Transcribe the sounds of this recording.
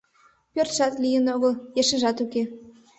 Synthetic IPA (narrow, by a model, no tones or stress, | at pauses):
pʲørt̪ʃɑt̪lʲijə̆noɣə̆ljeʃə̆ʒɑt̪uke